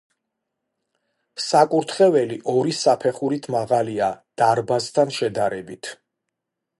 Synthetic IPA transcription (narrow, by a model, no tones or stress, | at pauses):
sakʼuɾt̪ʰχɛvɛliʔɔɾisapʰɛχuɾit̪ʰmaʁaliad̪̥aɾbast̪ʰanʃɛd̪aɾɛbit̪ʰ